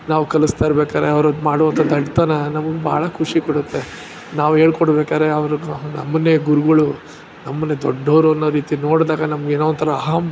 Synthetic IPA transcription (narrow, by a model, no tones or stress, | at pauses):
naːʋukɐlust̪ajɾbeːkaːɾeɐʋɐɾod̪maːɽuʋɐnt̪ʰɐd̪ɐɖt̪aːnɐnɐmɐɡba̰ːɭɐkʰuʂikɔɽut̪ːe̞ | naːʋuɦe̞ːɭkɔɽbeːkaːɾe̞ɐʋɐɾunɐ̰mːɐnːeɡuɾuɡɐɭu | nɐmːɐnːed̪ɔ̰ɖːɐʋɐɾuɐnːɐɾiːt̪ino̞ːɽd̪aːɡɐnɐmɐɡeːnoːʋɐnt̪ʰɐɾɐːɦaːm